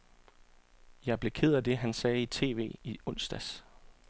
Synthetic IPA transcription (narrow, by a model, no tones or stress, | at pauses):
jɑ̈ɪb̥le̝kʰeð̰ˠæd̥e̝ɦænsɛːit͡sʰe̝̰ːʋe̝̰ːiɔ̽n̰sd̥æs